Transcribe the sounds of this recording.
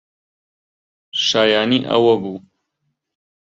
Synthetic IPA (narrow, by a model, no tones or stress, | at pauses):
ʃaːjaːniːʔɐ̰wɐbu